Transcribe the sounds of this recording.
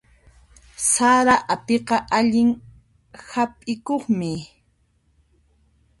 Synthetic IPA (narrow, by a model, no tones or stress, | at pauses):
saɾaʔapeqɑʔaʎɪŋ | hapʼɪkoχmɪ